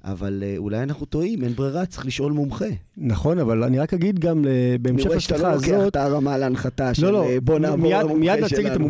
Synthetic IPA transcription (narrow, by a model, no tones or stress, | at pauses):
ʔa̰valeṵlajanaχnut̪oimenbʁeʁat͡sʁiχliʃʔo̞lmumχenaχo̞navalaniʁakhaɡid̪ɡamebeːmʃeaaːzot̪taʁamaleanχat̪aʃlo̞lobonammjadmiadnat͡siɡet̪amu